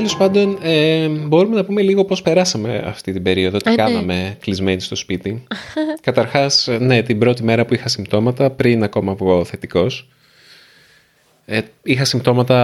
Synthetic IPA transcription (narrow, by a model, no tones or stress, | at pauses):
t̪elo̞spɐnd̪o̞nebo̞ɾume̞nɐpume̞liɣo̞po̞spe̞ɾɐsɐme̞ɐ̰ft̪it̪ibe̞ɾio̞ðoot̪ikɐnɐme̞klizmenist̪o̞spit̪ikɐt̪ɐɾxɐsne̞t̪ibɾo̞t̪ime̞ɾɐpuixɐsimt̪o̞mɐt̪ɐpɾinɐko̞mɐvɣo̞θe̞t̪iko̞s | e | ixɐsimt̪o̞mɐt̪ɐ